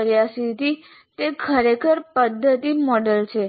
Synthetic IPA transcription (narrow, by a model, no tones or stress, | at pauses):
ɾjasit̪i | t̪ekʰəɾekʰəɾpəd̪ʱːət̪imɔɖəlt͡ʃʰe